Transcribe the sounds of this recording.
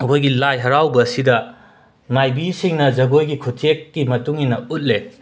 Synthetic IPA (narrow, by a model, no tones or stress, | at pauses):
ɐkʰojɡilajɦɐɾawbɐːsidɐ | majbisiŋnɐd͡ʒɐɡojɡikʰutʰek̚ːimɐtuŋinɐut̚le